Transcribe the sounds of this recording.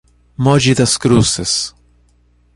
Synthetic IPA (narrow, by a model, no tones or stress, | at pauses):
mɔd͡ʒid̪ɐskɾusɪs